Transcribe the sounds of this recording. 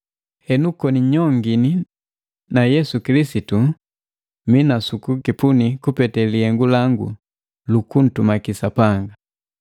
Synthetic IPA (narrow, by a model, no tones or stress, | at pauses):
hɛnukɔniɲɔŋɡini | najɛsukilisitu | minasukukipunikupɛtɛlihɛŋɡulaŋɡṵ | lukun̩tumakisapaŋɡa